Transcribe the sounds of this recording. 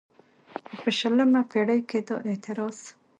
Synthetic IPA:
pəʃələmapeɽəjked̪oʔet̪ɪɾɑs

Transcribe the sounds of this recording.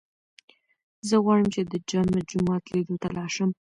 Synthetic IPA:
zəɣwɑɻəmt͡ʃed̪əd͡ʒɑmad͡ʒʊmɑt̪led̪ot̪alɑʃəm

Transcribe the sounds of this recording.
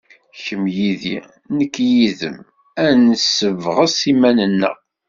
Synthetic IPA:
çəmjiðḭ | nəkːjiðə̰m | ænəsəvʁəsimænənːə̰ʁ

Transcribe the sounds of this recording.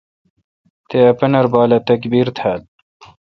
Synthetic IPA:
t̪eɐpɐnɐɾbɑːlɐt̪ɐkbiːɾt̪ʰhæːl

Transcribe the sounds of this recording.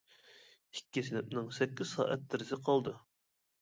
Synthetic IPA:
ikʲːisɪnɪp̚nɪŋsɛkʲːiz̥sɑ̰ːʔɛ̰t̪̚d̪ɪɾɪzɪqʰɑlˠd̪u

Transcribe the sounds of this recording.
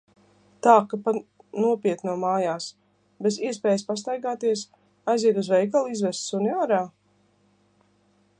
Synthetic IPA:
t̪aːkapa | nuɔpiɛt̪nuɔmaːjaːs | beziɛspɛːjspas̬t̪ajɡaːt̪iɛs | ajziɛd̪uzvɛjkalˠizvɛst̪sunʲɔːɾaː

